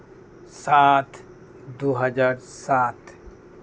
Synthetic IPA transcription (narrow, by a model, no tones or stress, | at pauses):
sat̪ʰ | d̪uɦəd͡ʒaːɾsat̪